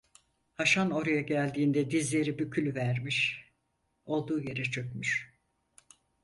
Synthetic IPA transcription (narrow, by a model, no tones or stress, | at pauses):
haʃano̞ɾajaɟælʲd̪iːnd̪ɛd̪izlʲe̞ɾibycʰylʲyvæɾmiʃ | o̞lˠd̪uːje̞ɾɛt͡ʃʰø̞cmyʃ